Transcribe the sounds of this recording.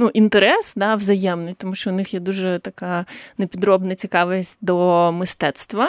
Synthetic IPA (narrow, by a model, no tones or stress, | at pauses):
nuʔint̪eɾɛsd̪ɑʋzɐjɛmnɪjt̪ɔmuʃt͡ʃɔʊnɪxjɛd̪uʒɛt̪ɐkɑnepʲid̪ɾɔbnɐt͡sʲikɑʋɪsʲt̚ʲd̪ɔmɪst̪ɛt̪st̪ʋɐ